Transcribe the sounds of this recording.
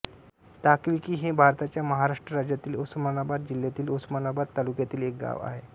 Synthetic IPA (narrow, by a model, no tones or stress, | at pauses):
t̪akʋikiːɦebʱaɾt̪at͡ɕjaməɦaɾaʂʈɾəɾad͡ʑjat̪iːlosmanabad̪̚d͡ʑiljat̪iːlosəmanabad̪t̪alukjat̪iːlek̚ɡa̰ʋa̰ɦe